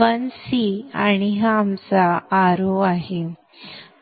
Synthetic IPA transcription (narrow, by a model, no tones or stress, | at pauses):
ənsiaɽ̃iɦamt͡saːɾoaɦe